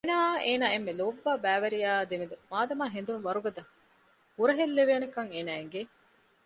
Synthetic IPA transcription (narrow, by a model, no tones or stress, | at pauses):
enaːeːnaːemːeloːbːaːbæːʋɐɾijaːd̪emed̪umaːd̪ɐmaːɦend̪unʋɐɾuɡɐd̪ɐ | huɾɐɦelːeʋeːnekɐŋeːnaːeŋɡe